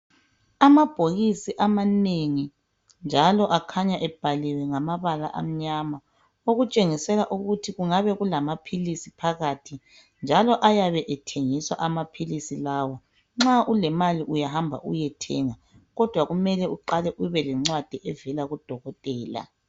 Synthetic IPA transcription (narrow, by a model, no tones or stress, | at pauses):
amab̥ʱoɣisiʔamaneŋi | nd͡ʒʱalɔʔakʰaɲaʔɛb̥ʱalɛwɛŋamaβala̰ʔa̰m̩ɲama | oɣut͡ʃʼeŋisɛlaʔuɣutʰiɣuŋaβɛɣulamapʰilisipʰaɣatʰi | nd͡ʒʱalɔʔajaβɛʔɛtʰeŋiswa̰ʔamapʰilisilaːwɔ | ŋ͡ǁaʔulɛmaliʔujaɦambʱa̰ʔṵjɛtʰɛŋa | ɣɔd̥ʱwaɣumɛlɛuǃalɛʔuβɛlɛŋ͡ǀwad̥ʱɛʔɛvɛlaɣud̥ʱɔɣɔtʼɛːla̰